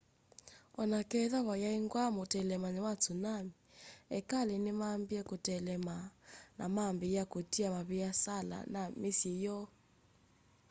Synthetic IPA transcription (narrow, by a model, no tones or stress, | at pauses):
ɔnakɛðaβajaiŋɡwamotɛlɛmanɛwat͡sunamiɛ̰kalɛnɪmambiakotɛlɛmana̰mambijakotiamaβijasala̰namisijɔ